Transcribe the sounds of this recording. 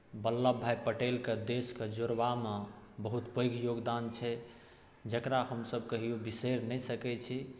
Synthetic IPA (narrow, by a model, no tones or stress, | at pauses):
bəlːabʱːajpəʈelked̪esked͡ʒoɾbame | bəɦut̪pəjɡʱjoɡd̪ant͡ʃʰɛ | d͡ʒəkɾaɦəmsəb̚kəɦijubiseɾnɛjsəkɛt͡ʃʰi